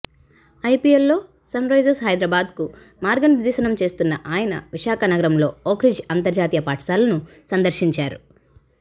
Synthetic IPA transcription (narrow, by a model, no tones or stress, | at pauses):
ɐjpielːo̞ː | sɐnɾɐjd͡ʒesɦɐjd̪ɾɐbaːd̪ku | maːɾɡɐnid̪iʃɐnɐmt͡ʃe̞ːst̪unːɐʔaːjɐnɐ̰ʋiʃaːkɐnɐɡɐɾɐmlo̞ːoːkɾid͡ʒɐnt̪ɐɾd͡ʒaːt̪ijɐpaːʈʰsaːlɐnusɐnd̪ɐɾʃiɲt͡ʃaːɾṵ